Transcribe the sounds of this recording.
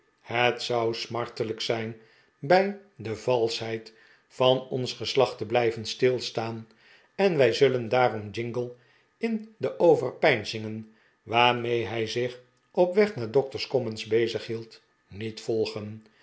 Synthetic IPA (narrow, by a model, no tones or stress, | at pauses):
hətsɑwsmɑɹtələksɛjn | bɛj | dəvɑlˠsɦɛjt | fɑnɔnsχəslɑχtəblɛjvənstɪlˠstaːn | ɛnʋɛjzɵləndaːrɔmd͡ʒɪŋɡəlˠ | ɪndəʔowvərpɛjnzɪŋən | ʋaːɹmejɦɛjzɪχ | ʔɔpʋɛχnaːɹdɔk̚təɹskɔmənzbejzəχɦilˠt | nitfɔlˠχən